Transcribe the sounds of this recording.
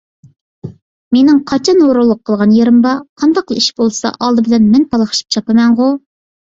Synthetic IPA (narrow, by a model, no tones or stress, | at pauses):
menɪŋqʰɑt͡ʃʰɑnoɾolˠːʊqʰːəlˠʁɑnjeɾɨmbɑqʰɑnd̪ɑqlˠɨiʃbolˠsɑ̰ʔɑlˠd̪ɨbɪlɛnmɛnpʰɑlˠɑχʃi̥p̚t͡ʃʰɑpɨmɛŋʁʊ